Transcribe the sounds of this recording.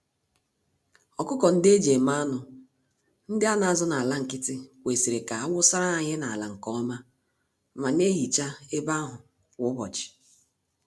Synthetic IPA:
ɔ˨kʊ˦kɔ˨n̩˦de˦d͡ʒe˨ma˦a˦nʊ˨ | n̩˦dɪ˦a˦na˨a˨zɔ˦na˨la˦ŋ̩˨kɪ˦tɪ˦we˨si˨ɾe˨ka˨a˦wʊ˦sa˦ɾa˦a˨ɲɪ˦na˨a˨la˨ŋ̩˨kɔ˦ma˦ | ma˨ne˦ɦi˨t͡ʃa˦e˦ba˦ɦʊ˨ | wʊ˦bɔ˨t͡ʃɪ̥˨

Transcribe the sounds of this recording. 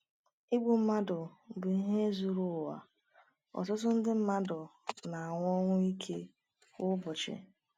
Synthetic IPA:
i˦ɡ͡bu˨m̩˦ma˦dʊ˨bʊ˨i˦ɦe˦zu˨ɾʊ˦˨wa̰˨ | ɔ̰˨tʊ˦t̬ʊ˦n̩˦dɪ˦m̩˦ma˦dʊ˨na˨a˨ŋʷʊ˦ɔ˦ŋʷʊ˦i˦kʰḛ˦ | ʊ˦bʊ˨t͡ʃɪ̰˨

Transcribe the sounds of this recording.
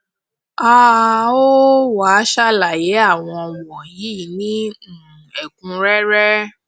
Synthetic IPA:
a˦o˦wa˨˦ʃa˦la˨je˨˦a˦˨w̃ɔ̃˧wɔ̃˨ji˨˦˨nĩ˦˨ | ɛ˨kũ˧ɾɛ˦ɾɛ˦

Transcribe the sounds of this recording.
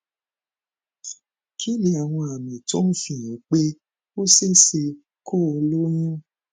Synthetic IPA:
kʰi˦li˦a˨w̃ɔ̃˧a˨mĩ˨to˦n̩˦fĩ˦˨j̃ĩ˨˦k͡pe˦ | o˦se˦se˧ | kʰo˦˨o˧lo˦j̃ũ˦

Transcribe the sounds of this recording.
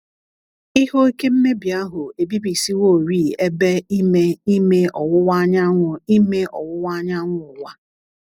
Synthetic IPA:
ɪ˦ho˦i˦ke˦m̩˦me˦bi˨a˦ɦʊ˨e˨bi˦bi˨si˦wo˦˨ɾiː˦˨e˦be˦i˦me˦i˦me˦ɔ˨wʊ˦wa˦ɲa˦ŋʷʊ˨i˦me˦ɔ̰˨wʊ˦wa˦ɲa˦ŋʷʊ˨ʊ˨wa˦

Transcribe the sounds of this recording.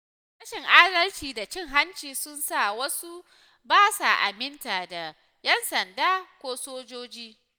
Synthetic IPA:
ɽɐ˦ʃɪ˨ŋʔaː˦dɐ˦lt͡ʃiː˨da˨t͡ʃɪ˦ŋɦa˦nt͡ʃiː˨sʊ˦nsa˦˨wɐ˦su˦ | baː˦sa˨ʔa̰˨mɪ˦ntaː˨da˨ | jɛ˦nsɐ˨ndaː˦kʷoː˦soː˦d͡ʒoː˦d͡ʒiː˦

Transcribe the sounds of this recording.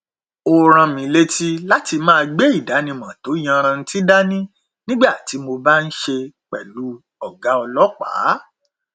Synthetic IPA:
o˧ɾ̃ã˧mĩ˨le˦ti˦la˦ti˧mãː˦˧ɡ͡be˦i˦˨da˨˦nĩ˧mã˨to˨˦j̃ã˧ɾ̃ã˧n̩˦ti˦da˦nĩ˦ | nĩ˦ɡ͡ba˦˨ti˨˦mo˧ba˦n̩˦ʃe˧k͡pɛ˨lu˨˦ | ɔ˦˨ɡa˨˦ɔ˧lɔ˦k͡pa̰˨˦

